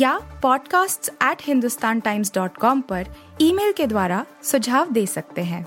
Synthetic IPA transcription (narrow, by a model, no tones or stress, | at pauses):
jaːpɔːɖkaːsʈsɛːʈhɪ̃nd̪ʊst̪aːnʈaːɪmsɖɔːʈkɔːmpɐɾ | iːmeːlked̪waːɾa | sʊd͡ʒʱaːʋd̪eːsɐk̚t̪eɦɛ̃ː